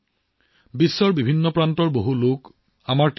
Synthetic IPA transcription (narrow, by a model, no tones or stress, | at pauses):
bisːɔɹbibʱinːɔpɹantɔɹboɦulok | amaɹt